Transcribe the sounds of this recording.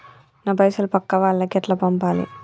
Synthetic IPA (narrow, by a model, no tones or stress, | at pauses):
nɐbɐjsɐlpɐkːɐʋaːlːɐkɛʈlɐpɐmpaːlḭ